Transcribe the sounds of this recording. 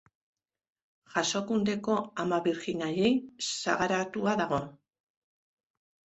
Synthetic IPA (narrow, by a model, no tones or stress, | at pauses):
xaso̞kund̪e̞ko̞amaβiɾɣinaʎejsa̰ɣaɾat̪uaðaɣ̞o̞